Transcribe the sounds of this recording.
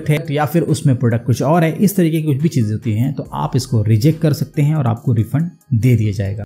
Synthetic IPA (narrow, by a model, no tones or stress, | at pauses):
k̚ʈɦɛk̚ʈjafɪɾʊsmẽpɾoːɖək̚ʈkʊt͡ʃʰɔːɾɦɛːʔɪst̪ɐɾiːkekikʊt͡ʃʰbʱit͡ʃiːzẽɦoːt̪iɦɛ̃t̪oʔa̰ːpɪskoɾɪd͡ʒɛk̚ʈkɐɾsɐk̚t̪eɦɛ̃ɔːɾa̰ːp̚koɾɪfə̃ɳ | d̪eːd̪ijad͡ʒa̰ːḛːɡaː